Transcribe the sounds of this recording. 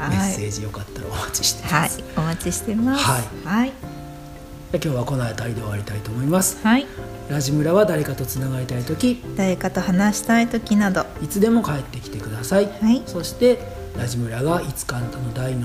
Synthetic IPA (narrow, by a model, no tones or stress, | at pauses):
mesːe̞ːd͡ʑijo̞kat̪ːaɾa̰omat͡ɕi̥ɕi̥t̪eaomat͡ɕiɕi̥t̪e̞maaihai | d͡ʑakʲo̞ːβako̞naet̪aɾid̪e̞aɾʲit̪ait̪oːmo̞imasɨ̥ | ɾaʑimɯ̟ɾaβad̪aɾe̞kat̪o̞t͡sɨnaɡaɾit̪ait̪o̞kʲid̪̥aɾe̞kat̪o̞hanaɕi̥t̪ait̪o̞kʲinad̪o̞ | it͡sɨd̪e̞mo̞kae̞t̪ːe̞kʲi̥t̪e̞kɯ̟d̪asaiaiso̞ɕi̥t̪e̞ | ɾaʑimɯ̟ɾaɡait͡sɨ̥kaːnat̪ano̞d̪aino